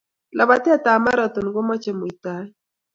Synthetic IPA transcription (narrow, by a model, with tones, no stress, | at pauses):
lʔa˨βa˨ti˦a˦ta˨ma˦ɾa˨t̪o˨nɡo˦mɔ˦t͡ʃɛ˨mo˨i˨ta˨˦